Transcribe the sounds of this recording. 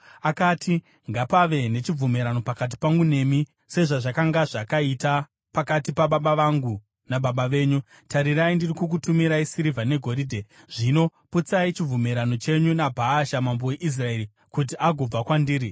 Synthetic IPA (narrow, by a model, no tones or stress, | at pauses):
akatʰi | ŋɡapaʋe̞ne̞t͡ʃib͡vumiɾano̞pakat̬i̥paŋɡune̞mi | se̞ʐaʐakaŋɡaʐakaita | pakatipaɓaɓaʋaŋɡu | naɓaɓaʋe̞ːɲu | taɾiɾaindirikuk̬utumiɾaisiɾivʱane̞ɡʱo̞ɾidʱe̞ | ʐ̥ino̞put͡sait͡ʃib͡vumiɾano̞t͡ʃe̞ɲunabʱaːʃamambowe̞ʔis̬rae̞ɾi | kut̬iaɡʱo̞b͡vakwandiːɾi